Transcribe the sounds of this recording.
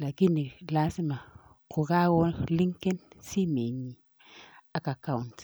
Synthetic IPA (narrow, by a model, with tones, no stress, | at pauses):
la˨ɡi˦ni˨la˦si˦ma˨ | kʊ˨ɣa˦wɔ˦li˦ŋ˦ke˦nsi˦me˨ɲĩ˨ | a˨ka˨ka˦u˨nt